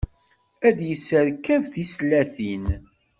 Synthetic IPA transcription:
æd̪jəsːəɾkːævθislæθin

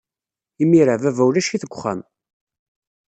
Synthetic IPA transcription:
imiɾavævæwlæʃiθəɡʷχːa̰m

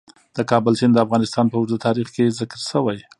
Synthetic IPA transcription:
d̪̥əkɑbəlsind̪əafɣɑnɪst̪ɑnpəʊzət̪ɑɾixkezɪkəɾʃəwaj

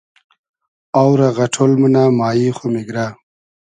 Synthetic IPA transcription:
awɾaɣɐʈʰolmunaːmaːjiːxomiɡɾa

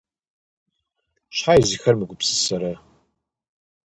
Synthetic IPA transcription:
ʃħajzixɐrmɨɡʷʊpsɨ̥sɐɾa

